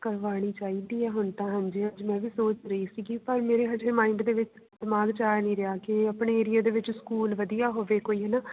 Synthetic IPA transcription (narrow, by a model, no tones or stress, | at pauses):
kəɾʋaːɽ̃iːt͡ʃaːiːd̪iːɛːɦʊnt̪ãːɦə̃nd͡ʒɦəd͡ʒmɛ̃ːʋiːsoːt͡ʃɾəiːsiɡiːpəɾmeːɾeːɦəd͡ʒemaːɪɳɖd̪eːʋɪt͡ʃ | d̪maːɡt͡ʃaːnĩːɾɪaːkɪəpɳeːeːɾɪjaːd̪eːʋɪt͡ʃskuːlʋəd̪ijaːɦoʋeːkoːiːɦɛnaː